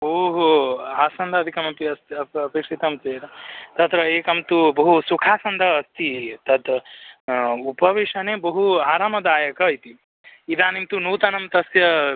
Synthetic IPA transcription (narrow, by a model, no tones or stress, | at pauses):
oːɦuaːsɐnd̪ʱɐːd̪ʱikɐmɐpiɐst̪ɐɐpeːkʂit̪ɐmt͡ʃeːɾɐt̪ɐt̪ɾɐeːkɐmt̪ubɐɦusukʰaːsɐnd̪ʱɐːst̪ʰit̪ɐt̪ | upɐʋiʂɐneːbɐɦuaːɾaːmɐd̪aːjɐkɐit̪i | id̪ʱaːnimt̪unuːt̪ɐnɐmt̪ɐsjɐ